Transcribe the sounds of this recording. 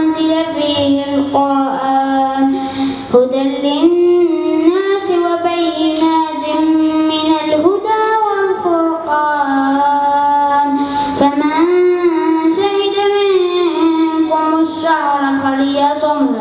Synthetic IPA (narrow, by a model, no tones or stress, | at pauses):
zɪlafiɪlqʊɾʔaːn | hʊd̪alɪnː | aːsɪwabajnaːd͡ʒ̪ɪmmɪnalɦʊd̪aːwalfʊɾqɑː | nfama | saɦɪd̪amɪn | kʊmʊʃːaʕɑɾˤqɑɾɪjasʊmd̪a